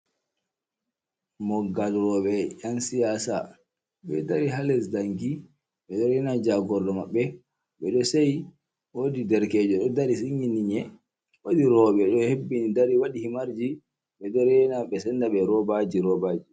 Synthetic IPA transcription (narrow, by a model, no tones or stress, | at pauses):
mɔɡːalɾɔɓɛjansijasa̰ | ɓɛdaɾiɦalɛsdaŋɡi | ɓɛɗɛɾɛnad͡ʒaɡɔɾdɔmaɓːɛ | ɓɛɗɔsaj | wodidɛɾkɛd͡ʒɔɗɔdaɾisiɲiniɲɛ | wodiɾɔɓɛɗɔhebːinidaɾiwaɗihimaɾd͡ʒi | ɓɛdɛɾɛnaɓɛsɛndaɓɛɾɔbad͡ʒiɾɔbaːd͡ʒi